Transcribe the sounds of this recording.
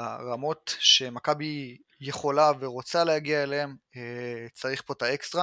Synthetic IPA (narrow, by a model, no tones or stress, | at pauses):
aʁamo̞tʃe̞makabi | je̞χo̞laveʁo̞t͡salehaɡiaeleemet͡saʁiχpo̞taekstʁa